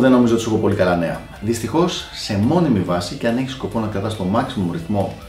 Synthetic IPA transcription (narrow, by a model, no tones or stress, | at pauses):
ðe̞no̞mizot̪sexo̞po̞likɐlɐne̞ɐ̰ | ðist̪ixo̞sːe̞mo̞nimivɐsice̞ɐne̞çi̥sko̞po̞nɐkɐt̪ɐst̪o̞mɐksimoɾiθmo̞